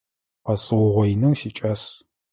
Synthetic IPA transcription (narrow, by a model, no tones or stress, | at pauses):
qɐsʼɨwʊʁʷɔinɐwsiːt͡ʃʼɐs